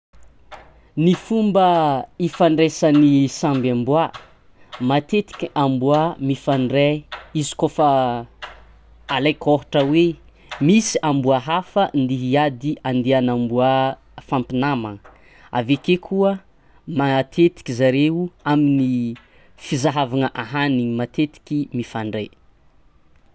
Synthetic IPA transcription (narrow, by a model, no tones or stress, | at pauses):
nifumbəifaɳɖ͡ʐesanisambambua | mat̪et̪i̥kʲiambuamifaɳɖ͡ʐeizi̥kofə | alajkoɦuʈ͡ʂəwe | misiʔambuaɦafənd̪iɦiad̪iʔand̪eanambua | fampinamaŋ | a̰vekekʰuə | mat̪ʰet̪i̥kizaɾeuamini | fizaɦavanəʔaɦaniɲimat̪et̪i̥kimifaɳɖ͡ʐej